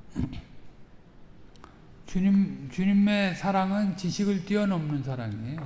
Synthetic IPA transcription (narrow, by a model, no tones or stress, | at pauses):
t͡ɕuɲimesʰaɾaŋɯnt͡ɕiɕʰiɡɯɭt͈iʌnʌmnɯnsʰaɾaŋi